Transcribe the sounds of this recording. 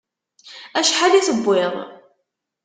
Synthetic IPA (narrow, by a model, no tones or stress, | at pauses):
æʃħaliθəbʷːɪðˤ